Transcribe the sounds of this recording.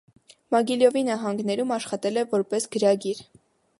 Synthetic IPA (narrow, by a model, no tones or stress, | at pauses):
mɑɡiljɔvinɑɦɑŋɡnɛɾumɑʃχɑt̪ɛlɛvɔɾpɛsɡəɾɑɡiɾ